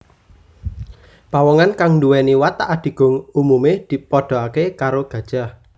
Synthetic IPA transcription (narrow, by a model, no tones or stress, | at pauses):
pawɔŋankaŋnduwɛniwat̪aʔad̪̥i̤ɡ̥ʊ̤ŋumumed̪̥i̤pɔɖ̪̥ɔ̤akekaɾoɡ̥ä̤d̥ʒ̥ah